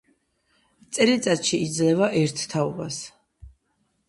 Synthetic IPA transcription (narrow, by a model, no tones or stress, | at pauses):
t̪sʼɛɾit̪sʼat̪ʃiːd̪zlɛvaʔɛɾt̪ʰːaɔbas